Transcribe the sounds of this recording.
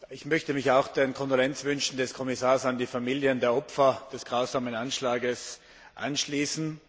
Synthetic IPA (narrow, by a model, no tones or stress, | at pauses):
ɪçmœçtəmɪçaʊxd̥enkʰɔndolɛnt͡sv̥ʏnʃn̩dɛskʰɔmɪsaːɐsandiːfamiːljəndeːɐɔpfɐd̥ɛsɡ̥ʁaʊzaːmənanʃlaːɡəs | ʔa̰nʃliːsn̩